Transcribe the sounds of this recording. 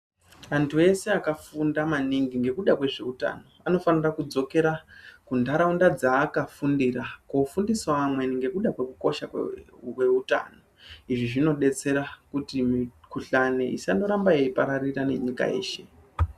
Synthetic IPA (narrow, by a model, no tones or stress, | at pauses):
antʰue̞se̞akafundamaniŋɡiŋɡe̞kuɗakwe̞ʐe̞uta̰no̞ano̞fanirakud͡zo̞ke̞ɾakundaɾaundad͡zaːkafundiɾakofundiswaːmwe̞niŋɡe̞kuɗakwe̞kuko̞ʃawe̞uta̰no̞iʐiʐino̞ɗe̞t͡se̞ɾakutimikuɬane̞ʔḭsando̞ɾambaeipaɾarirane̞̰ɲika̰e̞̰ːʃe̞